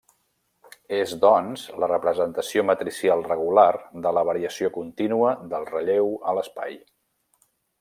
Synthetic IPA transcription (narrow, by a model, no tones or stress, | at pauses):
ezd̪ɔnzlərəpɾəzənt̪əsiomət̪ɾisialˠrəɣ̞ularðələβ̞əɾiəsiokunt̪inuəðəlˠrəʎewələspa̰j